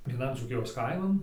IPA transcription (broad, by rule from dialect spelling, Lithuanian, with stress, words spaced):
ʋʲiɛˈnɐn d͡zuːˈkʲɪjoːs ˈkɐɪmɐn